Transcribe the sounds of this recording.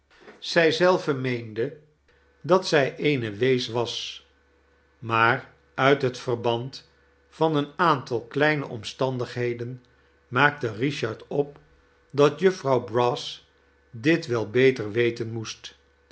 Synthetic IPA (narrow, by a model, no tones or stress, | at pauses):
z̥ɛjzɛlˠvəmejndə | dɑtsɛjʔejnəʋejsʋɑs | maːr | œɥtɦətfərbɑnt | fɑnənaːntɑlˠklɛjnə̰ʔɔ̰mstɑndəχɦejdən | maːk̚təriʃɑɹtɔp̚ | dɑtjɵfrɑwbrɔs | dɪtʋɛlˠbejtəɹʋejtənmust